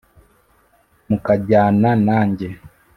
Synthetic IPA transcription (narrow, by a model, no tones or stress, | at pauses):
mukaɟaːnanaːɲɟe̞